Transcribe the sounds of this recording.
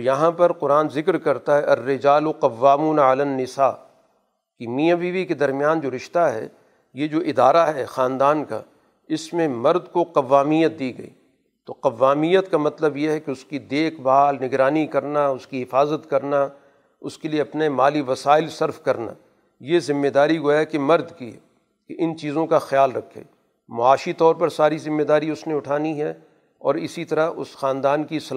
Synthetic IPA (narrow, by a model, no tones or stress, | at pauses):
ojɐɦãpɐɾqʊɾaːnzɪkɾkɐɾt̪aɦɛʔɐrːɪd͡ʒaːloqɐʋːaːmuːnaɐlənːɪsaː | kimiːəʋiːbiked̪ɐɾmijaːnd͡ʒoːɾɪʃt̪aɦɛ̰ | jed͡ʒoːʔɪd̪aːɾaɦɛxaːnd̪aːnka̰ | ɪsmẽmɐɾd̪koqɐʋːaːmijət̪̚d̪iːɡɐ̰ḭː | t̪oqɐʋːaːmijət̪kamɐt̪ləbjeɦɛkeʊskid̪eːkʰbaːlnɪɡɾaːnikɐɾnaʊskiɦɪfaːzət̪kɐɾna | ʊskelieɐpnemaːliʋɐsaːɪlsɐɾfkɐɾna̰ː | jezɪmːed̪aːɾiɡojakemɐɾd̪kiɦɛ̰ | keʔɪnt͡ʃiːzõkaxjaːlɾɐkʰːḛː | maːʃit̪ɔːɾpɐɾsaːɾizɪmːed̪aːɾiʊsneʊʈʰaːniɦɛ | ɔːɾɪsit̪ɐɾaʊ̰sxaːnd̪aːnkisɐl